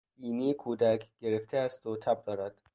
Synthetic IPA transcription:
iːniːkʰuːd̪ækʰɡ̥eɾeft̪ʰeæst̪ot̪ʰæb̚d̪ɒːɾæd̪̥

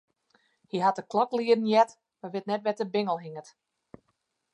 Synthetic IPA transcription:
hiɦatəklɔkliədn̩jɛt | maʋɪtnɛtʋɛtəbɪŋəlˠɦiŋət

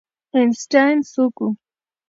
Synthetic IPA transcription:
ensʈajnsuku

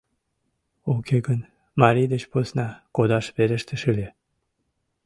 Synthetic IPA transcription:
okʲeɡən | mɑɾid̪et͡ɕposnɑkod̪ɑʃβeɾĕʃt̪eʃɨlʲe

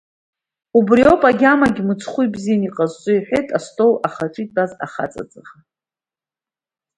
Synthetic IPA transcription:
ubrio̞pʼaɡʲamaɡʲmɨt͡sʰχʷujbzijaniqʼazt͡sʷʼɨiħʷᶣejtʼastʰʼo̞waχaʈ͡ʂʼitʼbaza̰χa̰t͡sʼa̰t͡sʼaχa

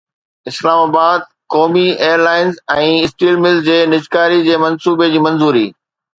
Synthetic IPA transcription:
ɪslaːmaːbaːd̪̚kɔːmieːjəɾlaːɪnzɛ̃ːɪsʈiːlmɪld͡ʑeːnɪd͡ʑkaːɾid͡ʑeːmɐ̃nsuːbed͡ʑiːmɐ̃nzuːɾḭː

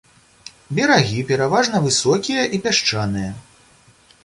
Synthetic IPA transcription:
bʲɛɾaɣʲipʲɛɾavaʐnɐvɨsɔkʲijɐʔipʲaʂt͡ʂanɨjɐ

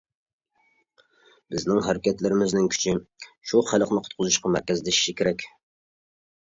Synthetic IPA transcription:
b̥ɪznɪŋɦæɾɪkʲɛt̪lɪɾɪmɪznɪŋkʲʰy̥t͡ʃʰɪʃuχælˠəqnɨqʰʊt̪qʰʊzuʃqɑmæ̰ɾkʲɛzd̪ɪiʃɪkʲʰeɾɛkʲ

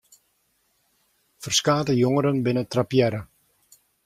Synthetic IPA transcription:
fərskaːtəjoŋəɾənbɪnətrapjɛɾə

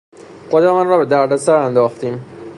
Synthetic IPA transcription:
χod̪æmɒːnrɒːbe̞d̪æɾd̪æsæɾænd̪ɒːxt̪iːm

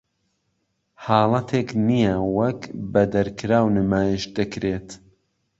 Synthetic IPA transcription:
ħɑːlˠɐt̪ʰeknijɐwɐkbɐd̪ɐɾkɾaːwnɨmaːjiʃd̪ɨkɾet̪

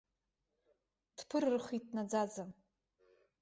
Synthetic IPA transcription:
tpʰɨrrχʷit̚ʰnad͡zad͡za

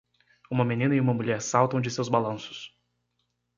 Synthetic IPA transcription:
ũmɐmenĩnɐiũmɐmuʎɛɾsawt̪ɐ̃w̃d͡ʒɪsewzbalɐ̃sʊ̥s

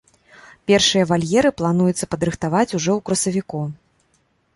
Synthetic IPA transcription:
pʲɛrʂɨjɐvalʲjɛɾɨplˠanujut̪sːɐpɐd̪ɾɨxt̪avat͡sʲuʐɔwkɾɐsɐvʲiku

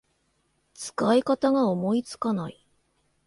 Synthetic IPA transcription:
t͡sɨ̥kaikat̪aɡaomo̞it͡sɨ̥kanai

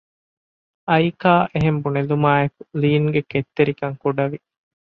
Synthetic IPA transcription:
ɐjkaːʔeɦembunelumaːekuliːŋɡeket̪ːeɾikɐŋkuɖɐʋi

